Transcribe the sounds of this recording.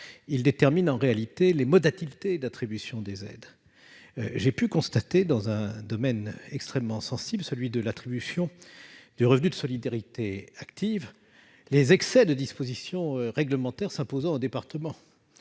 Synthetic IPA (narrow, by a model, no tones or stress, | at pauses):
ild̪et̪ɛʁminɑ̃ʁealit̪elemɔd̪at̪ilt̪ed̪at̪χibysjɔ̃d̪ezɛ̰d̪ | ʒepykɔ̃st̪at̪ed̪ɑ̃zɛ̃d̪ɔmɛnɛkst̪χɛmːɑ̃sɑ̃sibləsəlɥid̪əlat̪χibysjɔ̃d̪̥yʁəvnyd̪əsɔlid̪aʁit̪eakt̪ʰiv | lezɛksɛd̪əd̪ispozisjɔ̃øʁɛɡləmɑ̃t̪ɛʁsɛ̃pozɑ̃od̪epaʁt̪əmɑ̃